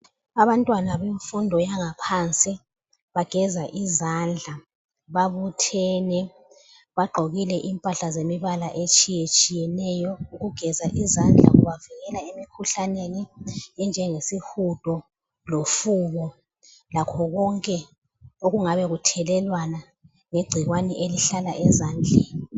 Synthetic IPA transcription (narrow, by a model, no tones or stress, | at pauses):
aβantʼwanaβeɱfundʱɔjaŋapʰant͡sʼi | βaɡ̥ʱɛzaʔizand͡ɮʱa | βaβutʰɛːnɛ | βaɡ͡ǃʱoɣilɛʔimpʼaɬazemiβalaʔet͡ʃʼijet͡ʃʼijɛnɛjɔuɣuɡ̥ʱɛzaʔizand͡ɮʱa̰ṵβaviɣɛlaemikʰuɬaneniɛnd͡ʒʱɛŋesihud̥ʱɔ | lofuβɔ | lakʰɔɣɔŋkʼɛ | oɣuŋaβɛɣutʰɛlɛlwana | ŋeɡ͡ǀʱiɣwanɛʔeliɬalaʔɛzaːnd͡ɮʱɛi